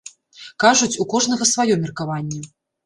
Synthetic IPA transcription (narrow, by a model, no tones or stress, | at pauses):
kaʐut͡sʲukɔʐnɐɣɐsvajɔmʲɛrkavanʲːɛ